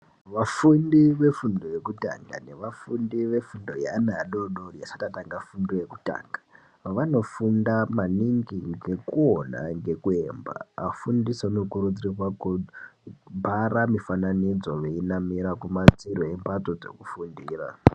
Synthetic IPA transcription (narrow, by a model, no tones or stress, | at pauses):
ʋafundiʋe̞fundoje̞kuta̰ŋɡa̰ne̞ʋafundiʋe̞fundo̞ja̰naɗoɗojasatataŋɡafundojeku̥ta̰ːŋɡa | ʋano̞fundamaniŋɡiŋɡe̞kuo̞na̰ŋɡe̞kue̞ːmba̰afundisauno̞kuɾud͡zirwaku | bʱaramifananid͡zo̞ʋe̞inamiɾakumat͡siɾoempato̞d͡ze̞̰kufundiːra̰